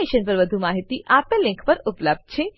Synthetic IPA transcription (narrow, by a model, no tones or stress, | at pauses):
eʃənpəɾʋəd̪ʱumaɦit̪iʔapelɪ̃ŋkʰpəɾupləb̚d̪̚t͡ʃʰe